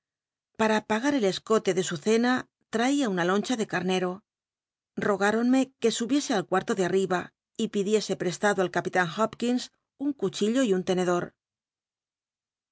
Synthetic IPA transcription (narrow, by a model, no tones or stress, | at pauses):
paɾapaɣaɾe̞le̞sko̞t̪e̞ðe̞suθe̞na | t̪ɾaiaunalo̞nt͡ʃaðe̞kaɾne̞ɾo̞ | ro̞ɣ̞aɾo̞nme̞ke̞suβje̞se̞alkwaɾt̪o̞ðeariβa | ipiðje̞se̞pɾe̞st̪aðoalkapit̪aŋxopkins | uŋkut͡ʃiʎo̞iunt̪e̞ne̞ðo̞ɾ